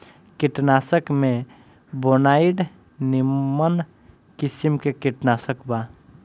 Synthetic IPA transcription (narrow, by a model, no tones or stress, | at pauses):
kiʈnaːsəkmẽ | bonaiɖ | nimːən | kisimkekiʈnaːsəkba